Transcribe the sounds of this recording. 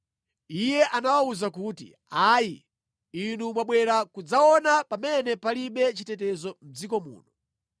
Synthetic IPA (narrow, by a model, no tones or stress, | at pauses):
ijɛʔanawauzakuːtḭ | aːji | inumwaɓwɛɾakud͡zaɔnapamɛnɛpaliɓɛt͡ʃitɛtɛzɔm̩d͡zikɔmṵːnɔ